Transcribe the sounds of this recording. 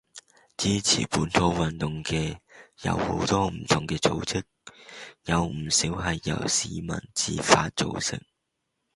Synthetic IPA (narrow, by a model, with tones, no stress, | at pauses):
t͡siː˥t͡sʰḭː˨˩puː˨˥nt̪ʰo˧˥wwɐ˨˩nt̪ʊ˨˩ŋkɛː˧jɐ̰˧who̰˨˧˥wt̪ɔː˥m̩˨˩t̪ʰʊ˨˩ŋkɛː˧t͡so˧˥wt͡sʰɪ˥k̚jɐ˨˧wm̩˨˩siː˨˥wɦɐ˨jːɐ̰˨˩wsiː˨mɐ̰˨˩nt͡siː˨faː˧t̚t͡so˨wsɪ̰˨˥k̚